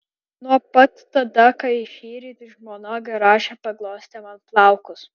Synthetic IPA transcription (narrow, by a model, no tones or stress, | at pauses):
nuɔpɐt̪ːɐd̪ɐkɐɪʃʲiːɾʲiːt̪ʲɪʒmoːnoːɡʲɛɾɑːʃʲɛpɐɡlˠoːsʲt̪ʲɛmɐnplˠɑˑʊkʊs